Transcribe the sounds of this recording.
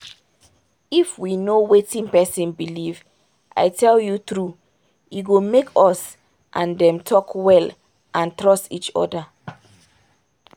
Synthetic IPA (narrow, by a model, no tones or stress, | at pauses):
ifwinowetĩnpɛsĩnbiliv | ʔa̰ɪtʰɛljutɹu | iɡomekʰɔs | ʔãndɛ̃mtʰɔkwɛl | ʔãntɹɔstit͡ʃɔ̰da